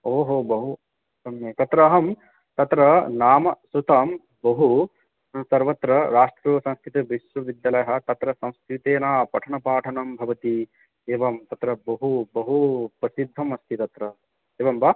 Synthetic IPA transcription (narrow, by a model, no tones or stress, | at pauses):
oːɦoːbɐɦu | t̪ɐmjeːt̪ɐt̪ɾɐɦɐm | t̪ɐt̪ɾɐnaːmɐsut̪ɐm | bɐɦu | sɐɾʋɐt̪ɾɐɾaːʂʈɾuʋɐsɐ̃skɾit̪ibiʃʋɐʋid̪jɐlɐjɐɦɐ̆t̪ɐt̪ɾɐsɐ̃w̃skɾit̪eːnaːpɐʈʰɐɳɐpaːʈʰɐnɐmbʱɐʋɐt̪i | eːʋɐmt̪ɐt̪ɾɐbɐɦubɐɦupɾɐsid̪ʱːɐmɐst̪ʰit̪ɐt̪ɾɐ | eːʋɐmba